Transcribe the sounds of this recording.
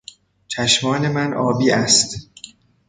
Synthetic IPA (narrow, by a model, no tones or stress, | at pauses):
t͡ʃʰæʃmɒːne̞mænʔɒːbiːʔæst̪